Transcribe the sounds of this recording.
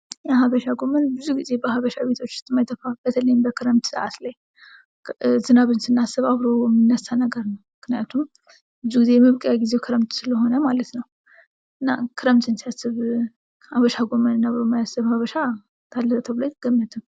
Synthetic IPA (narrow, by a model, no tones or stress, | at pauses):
jaɦaβəʃaɡo̞mənbɨzuɡize̞bəhaβəʃaβe̞t̪ʰo̞t͡ʃːɨst̪ʼɨmːajt̪ʰːəfab̥ət̪ʰələjmbəkʰɨɾəmt̪sɨʔa̰t̪laj | zɨnaβɨnsɨnːasɨβaβɾomːɨnːəsanəɡəɾnəwmɨknijat̪ʰum | bɨzuɡize̞jɛmɨβkʼjaɡizewkʰɨɾəmt̪sɨləɦo̞nəmalət̪nəw | ʔɨnːa̰kʰɨɾəmt̪ʰʼɨnsijasːɨβ | haβəʃaɡo̞mənɨnːaβəomːajasɨβhaβəʃa | t̪ʰalːəzət̪ʰəβɨlaɡ̥əmːɨt̪ʰɨm